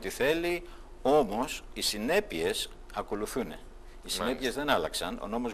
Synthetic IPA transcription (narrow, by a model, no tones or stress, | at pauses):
t̪iθe̞li | o̞mo̞sisine̞pie̞s | ɐko̞luθune̞̰ | isine̞pie̞zðe̞nɐlɐksɐno̞̰no̞mo̞z